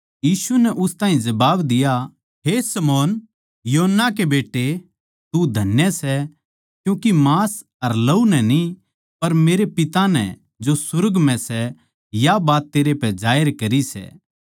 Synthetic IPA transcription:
jiːsunɛʔʊst̪ãːɦĩd͡ʒɐbaːbd̪ɪja | ɦesɐmɔːn | joɦənːak̬ebeːʈːe | t̪ud̪ʱɐnjəsɛ | kjũːkimaːs | ɐɾlɐunɛni | pɐɾmeːɾepɪt̪anɛ̰ | d͡ʒosʊɾəɡmɛ̃sɛ | jabaːt̪ːeːɾepɛd͡ʒaːjɪɾkɐɾisɛ̰ː

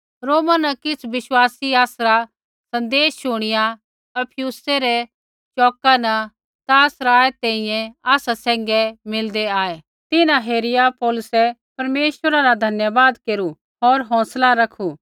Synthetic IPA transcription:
ɾoːmanɐkɪt͡sʰʋɪswaːsiaːsɾa | sɐ̃nd̪eːsʃʊɽ̃ɪja | ɐpʰɪjuːsɛɾɛ | t͡ʃɔːkanɐ | t̪aːsɾaːɛt̪ɛ̃ĩjɛ̃aːsasɛ̃ːŋɡɛmɪld̪ɛaːe | t̪ɪnãɦeːɾɪjapɔːlʊsɛpɐɾmeːʃwəɾaɾad̪ʱɐnjabaːd̪keːɾu | ɦoːɾɦɔ̃ːslaɾɐkʰuː

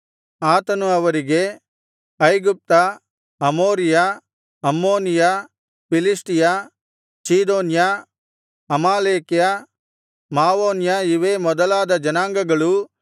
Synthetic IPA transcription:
aːt̪ɐnuɐʋɐɾiɡe̞ | ɐjɡup̚t̪ɐ | ɐmoːɾija | ɐmːoːnija | pilisʈija | siːd̪oːnja | ɐmaːleːkija | maːʋoːnjɐiʋeːmɔd̪ɐlaːd̪ɐd͡ʒɐnaːŋɡɐɡɐɭu

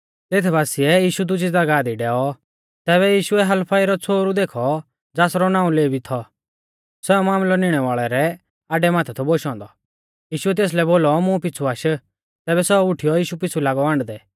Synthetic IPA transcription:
t̪eːt̪ʰbaːsiɛjiːʃud̪ʊd͡ʒid͡zɐɡaːd̪iɖɛːɔ | t̪ɛːβɛjiːʃuɛɦɐlpʰaiɾɔt͡sʰoːɾud̪eːkʰɔ | d͡zaːsɾɔnãːũleːbʱit̪ʰɔ | sɛɔmaːmlɔnɪɽ̃ɛʋaːɭɛɾɛ | aːɖɛmaːt̪ʰɛt̪ʰɔboʃɔ̃ːnd̪ɔ | jiːʃʊɛt̪̬eːs̬lɛboːlɔmũp̬ɪt͡sʰuaːʃə | t̪ɛːbɛsɛʊʈʰijɔjiːʃupɪt͡sʰulaːɡɔãːɳɖd̪ɛː

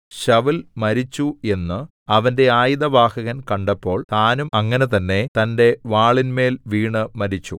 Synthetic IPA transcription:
ɕɐʋilmɐɾit͡ɕːue̞nːɨ | ɐʋɐnde̞aːjiðɐʋaːhɐɣɐnkɐɳɖɐpːo̞ːɭt̪aːnumɐŋːɐnet̪ɐnːe̞t̪ɐnde̞ʋaːɭinme̞ːlʋiːɳɨmɐɾit͡ɕːu

